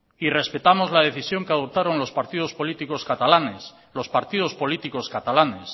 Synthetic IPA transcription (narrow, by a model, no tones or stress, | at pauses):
ire̞spe̞t̪amo̞zlað̞e̞θisjo̞ŋkeað̞op̚t̪aɾo̞nlo̞spaɾt̪iðo̞spo̞lit̪iko̞skat̪alanes | lo̞spaɾt̪iðo̞spo̞lit̪iko̞skat̪alane̞s